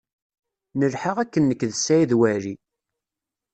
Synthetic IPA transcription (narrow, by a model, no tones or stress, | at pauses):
nəlħaʁækːənːəkːðsæjðwæɾi